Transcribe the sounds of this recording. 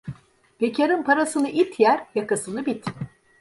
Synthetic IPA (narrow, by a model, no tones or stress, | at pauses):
b̥e̞cʰaɾɯnpʰaɾasɯnɯʔit̪ʰjæɾjakasɯnɯbit̪